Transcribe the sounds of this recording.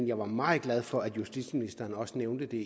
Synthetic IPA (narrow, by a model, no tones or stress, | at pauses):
njɑ̈ɪʋɑ̈mɑ̈ːð̩ˠɡ̥læð̞ˠfɒ̽æd̥jusd̥id̥sminisd̥ɐːnɒ̽səneʊnd̥əd̥e̝